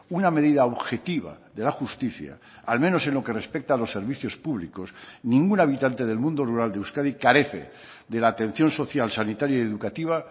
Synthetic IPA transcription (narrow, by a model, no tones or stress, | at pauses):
unameðiðaoβxe̞t̪iβa̰ | ðe̞laxust̪iθja̰ | almeno̞se̞nlo̞ke̞re̞spek̚t̪aːlo̞sːe̞ɾβiθjo̞spuβliko̞snĩŋɡunaβ̞it̪ant̪e̞ð̞e̞lmũnd̪o̞ruɾald̪euskaðikaɾe̞θḛ | ðe̞laːt̪ẽ̞n̟θjo̞nso̞θjalsanit̪aɾjajeðukat̪iβ̞a